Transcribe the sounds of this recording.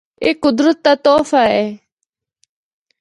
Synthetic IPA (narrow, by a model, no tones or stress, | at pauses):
eːkʊd̪ɾət̪ːaːt̪oːfaːeː